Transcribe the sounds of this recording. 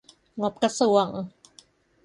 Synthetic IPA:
ŋo˧˩p̚ka˧su˨˩ə˩ŋ

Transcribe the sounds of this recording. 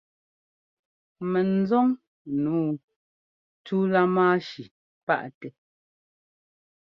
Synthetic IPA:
mɛ˨n̩˨˦zɔ˦ŋ | nuː˨˦ | tu˦la˦maː˦ʃi˨ | pa̰˦ʔtɛ˨

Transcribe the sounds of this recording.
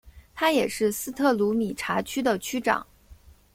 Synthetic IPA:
t̪ʰa˥jɛ˨˩ʂɻ̩˥˩sɹ̩˥t̪ʰɤ˥˩lu˧˥mi˨˩ʈ͡ʂʰa˧˥t͡ɕʰy˥d̪ə˨t͡ɕʰy˥ʈ͡ʂɑ̰˨˩˦ŋ

